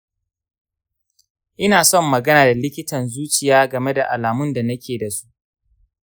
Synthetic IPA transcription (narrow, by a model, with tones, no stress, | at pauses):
ʔɪ˦naː˨sɔ˦mːɐ˨ɡɐ˦naː˨da˨lɪ˦kʲɪ˦tɐ˨nzuː˦t͡ʃɪ˨jaː˦ɡɐ˨me˦da˨ʔa˨laː˨mʊ˦nda˨nɐ˦kʲeː˨da˨su̥˦ʔ